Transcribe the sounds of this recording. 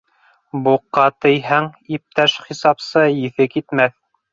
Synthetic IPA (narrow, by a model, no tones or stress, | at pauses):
buqːɑt̪ɘ̆jɦæŋip̚t̪æʃχisɑpsɤjɘ̆θɘkit̪mæθ